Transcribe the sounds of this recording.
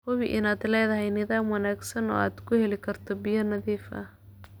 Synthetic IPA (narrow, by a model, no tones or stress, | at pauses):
hɔwɪʔɪnaːd̪lɛːðɐɦɛjnɪðaːmwɐnaːɡsɐnɔ̰ːaːd̪kʰʊhɛlɪkʰɐrt̪ʰɔbɪjɐnɐðiːfɐ̰